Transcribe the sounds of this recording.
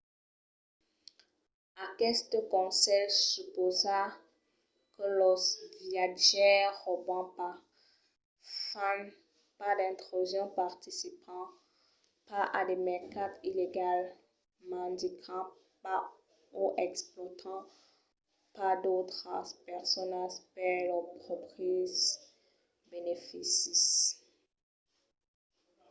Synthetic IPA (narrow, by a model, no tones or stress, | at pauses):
akɛst̪əkɔ̃sɛjsypoza | kəlɔsviad͡ʒɛʁəbɑ̃pa | fan | pad̪ɛ̃nt̪ʁɔzjɔ̃paʁt̪isipʰɑ̃ | paʔademɛkat̪ileɡal | mɑ̃d̪ikʰɑ̃ | pa | oʔɛksplɔt̪ʰɑ̃ | pad̪ot̪χapɛʁsɔnaspɛlɔpʁɔpχis | benefisis